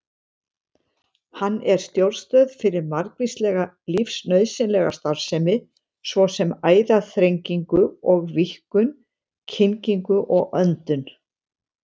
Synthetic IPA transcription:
hanːɛɾ̥st̪jowlst̪œːðfɪɾɪɾmaɾkvist̪lɛɣa | lifsnœɥðsɛnlɛɣa̰st̪aɾv̥sɛmɪ | svɔsɛmaːjðaθɾejŋciŋkʏɔɣvihkʏn | cʰɪŋciŋkʏʔɔɣʔœnt̪ʏn

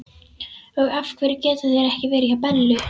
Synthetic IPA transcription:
œɣafkʰvɛɾɪcɛːt̪aθɛɛɾɛhcɪvɛːɾɪçapɛlːʏ

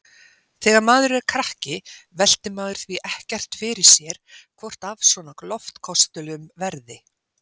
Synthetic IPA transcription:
θɛːɣaɾmaːðʏɾʏakʰɾahcɪvɛl̥t̪ɪmaːðʏɾ̥θviʔɛhcɛr̥t̪fɪɾɪɾ̥sjɛɾ̥kʰvɔr̥t̪avsvɔnaklɔft̪kʰɔst̪ʏlʏmvɛɾðɪ

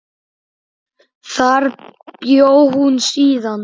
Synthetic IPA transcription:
θaɾpjowhunsiːðan

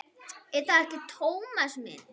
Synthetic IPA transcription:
ɛɾθaðɛhcɪt̪ʰoːwmasmɪ̰n

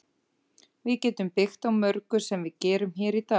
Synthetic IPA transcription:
vɪðcɛːt̪ʏmpɪxt̪awmœɾkʏsɛmvɪðcɛːɾʏmçɛːɾit̪aː

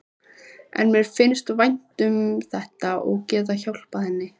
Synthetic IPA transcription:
ɛ̰nmjɛɾfɪnːst̪vajn̥t̪ʏmθɛht̪aʔɔɣcɛːt̪̬açawl̥paθɛnːɪ

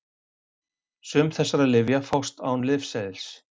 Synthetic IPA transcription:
sʏmθɛsːaɾaðlɪvjafawst̪aːwnlɪfsɛðɪls

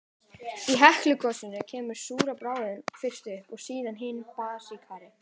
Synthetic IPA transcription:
iɦɛhklʏkʰɔsɪnʏcʰɛːmʏɾ̥suːɾapɾaːwðɪnfɪr̥st̪ʏhpɔɣsiːðanɦɪnpaːsikʰaːɾɪ

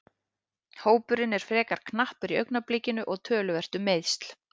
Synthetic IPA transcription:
hoːwpʏɾɪnɛɾ̥fɾɛːkaɾ̥kʰnahpʏɾiœɥknaplecɪnʏʔɔɣt̪ʰœːlʏvɛr̥t̪ʏmejðst̪l̥

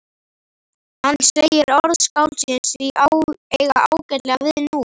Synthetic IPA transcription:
hanːsejɪɾɔɾðskaːw̪sɪnsiʔaejɣaaːwcɛɾlɛɣaavɪðɪnu

